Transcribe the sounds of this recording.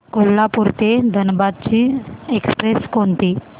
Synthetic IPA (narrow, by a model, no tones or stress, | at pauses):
kolːapuɾt̪ed̪ʱənbad̪̚t͡ɕiːekspɾeskont̪iː